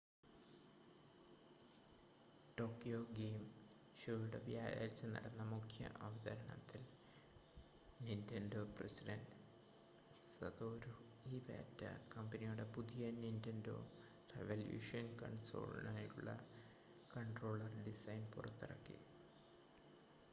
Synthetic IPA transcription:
ʈo̞ːkːijoːɡeːm | ɕoːjuɽɐʋjaːja̰ːɾt͡ɕːɨnɐ̰ɽɐnːɐmukʰjɐ̰ʔɐʋɐd̪ɐɾɐɳɐ̰t̪ːil | nintendo̞ːprɐsiɖɐnd | sɐ̰d̪o̞ːɾu | iʋḛtːɐ̰kɐmbɐnijuɽe̞puðijɐnintendo̞̰ː | rḛʋɐljṵːʂɐnkɐ̰ɳso̞̰ːl̰naːjiʈːuɭːɐ̰ | kɐɳʈro̞ːɭːɐrɖisɐjnpurɐt̪ːirɐkːḭ

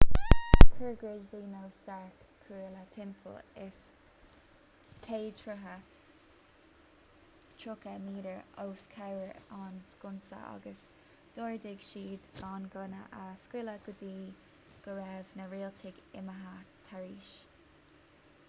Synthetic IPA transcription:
kʰəɹɡɹeviːnowstaɹkʰːuːlət̪ʰɪmpʰə̰lɪs | t̪ʰeːt̪ʰɹʊɦət | tʰɹʊkəmiːɾəɹowskʰawəɹanskʊnsə̰ʔɑ̰ɡəs | d̪̥oːɹd̪ɪɡʃiːd̪ɡ̥ɑːnɡʊnə̰ʔaskɪləɡ̥ʊd̪iː | ɡ̥əɹɛvnəɹiːlt̪ʰɪɡɪ̰məɦat̪ʰaɹiːʃ

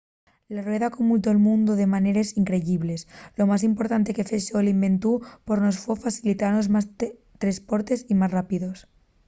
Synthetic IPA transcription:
larwe̞ðakumult̪̬oelmũnd̪oðe̞mane̞ɾesiŋkɾe̞ʝiβle̞slo̞mas̬impo̞ɾt̪ant̪e̞ke̞feʃolimbẽ̞nt̪upoɾnosfwefaθilit̪aɾnozmas | t̪ɾespo̞ɾt̪e̞simasrapiðos

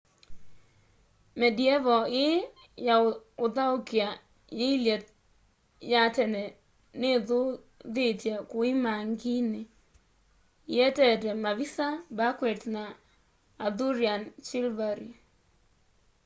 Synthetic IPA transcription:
mɛdiɛvɔɪ | jaʊdaʊkia | jeiljet̚ | jatɛnɛ | nɪðʊ | ðɪtjekʊɪmaŋɡinɪ | jɛtɛtɛmavisabakwɛtnaː | d̪uɾjant͡ʃɪlvaɾi

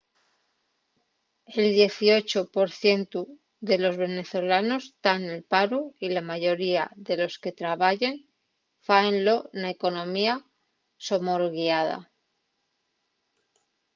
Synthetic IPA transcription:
e̞ld̪je̞θio̞t͡ʃopo̞ɾθje̞nt̪u | ðe̞lo̞zβe̞ne̞θo̞lano̞st̪anelpaɾuilamaʝo̞ɾiaðe̞lo̞ske̞t̪ɾaβaʎe̞n | faenlo̞naeko̞nõ̞mia | so̞mo̞ɾɣiaða̰

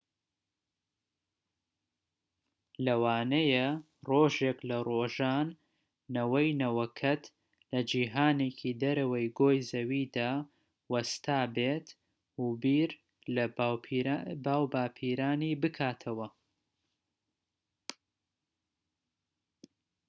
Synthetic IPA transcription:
lɐwaːnɐjɐ | roːʒeklɐroːʒaːnː | ɐwɐjnɐwɐkʰɐt̪ | lɐd͡ʒiːɦaːneːcʰid̪ɐɾɐwɐjɡoːjzɐwiːd̪aː | wɐst̪ʰaːbet̪ | hubiːɾ | lɐ | baːwbaːpʰiːɾaːniːbɨkʰaːt̪ʰɐwɐ

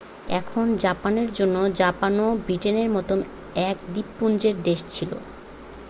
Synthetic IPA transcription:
ɛkʰond͡ʑapaneɾd͡ʑonːod͡ʑapanobɾiʈeneɾmɔt̪om | ɛkd̪ipːund͡ʑeɾd̪eʃt͡ɕʰilo̰

